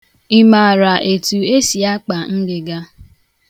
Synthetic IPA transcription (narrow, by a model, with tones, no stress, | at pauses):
i˦ma˨ɾa˨ʔe˨tu˨e˦si˨a˦k͡pa˨ŋ̩˦ɡɪ˨ɡa˦